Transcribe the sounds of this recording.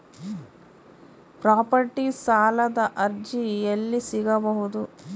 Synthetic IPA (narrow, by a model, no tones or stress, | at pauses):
pɾaːpɐɾʈisaːlɐd̪ɐʔɐɾd͡ʒijelːisiɡɐbɐɦud̪u